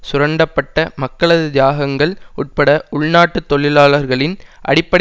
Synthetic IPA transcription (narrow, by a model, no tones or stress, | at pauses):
sʊɾɐɳɖɐpːɐʈːɐmɐkːɐɭɐðɯd̪jaːɣɐŋɡɐɭʊʈ̚pɐɽɐʊɭnaːʈːɯt̪ːɔɭɪlaːɭɐɾɣɐɭɪnʔɐ̰ɽɪpːɐɽ